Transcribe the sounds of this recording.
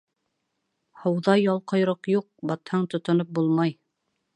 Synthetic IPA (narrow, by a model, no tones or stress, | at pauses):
hɤ̆wðɑjːɑlˠqɤ̆jɾɤqjuq̚bɑt̪hɑɴt̪ŏt̪ŏnop̚bulˠmɑj